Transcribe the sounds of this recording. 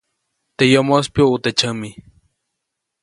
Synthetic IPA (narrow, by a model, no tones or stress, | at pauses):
t̪ejomospjout̪et͡ʃəmi